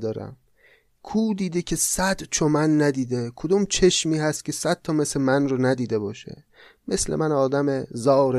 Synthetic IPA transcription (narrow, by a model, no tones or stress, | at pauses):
d̪ɒːɾæ̰m | kʰuːd̪iːd̪ekʰe̞sæd̪t͡ʃʰomænːæd̪iːd̪ekʰod̪uːmt͡ʃʰeʃmiːɦæst̪̚cʲʰe̞sæd̪̥̚t̪ʰɒːmeslemænronæd̪iːd̪e̞bɒːʃḛ | me̞slḛmænɒːd̪æmezɒːɾe